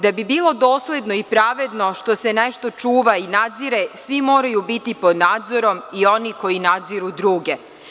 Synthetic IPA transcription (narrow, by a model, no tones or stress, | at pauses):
d̪abibiːlˠo̞d̪o̞ːslʲe̞d̪no̞ipɾaːʋe̞d̪no̞ʃt̪o̞seneʃt̪o̞t͡ʃuːʋainad̪ziɾesʋimo̞ːɾajubit̪ipo̞d̪naːd̪zo̞ɾo̞mio̞niko̞jinad̪ziɾud̪ɾuːɡe